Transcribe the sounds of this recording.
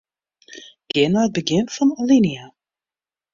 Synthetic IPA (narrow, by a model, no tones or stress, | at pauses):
ɡ̥ɪnaət̚bəɡɪnfɑ̃nəlinia